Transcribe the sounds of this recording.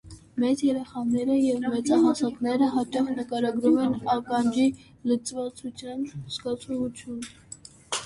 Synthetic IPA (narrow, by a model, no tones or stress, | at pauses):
mɛt͡sjɛɾɛχɑnɛɾəjɛvmɛt͡sɑɦɑsɑk̪nɛɾəɦɑt͡ʃɑχnəkɑɾɑɡɾumɛnɑkɑnd͡ʒi | lət͡svɑt͡sʰut͡sʰjɑnskɑt͡sʰɔvut͡sʰjun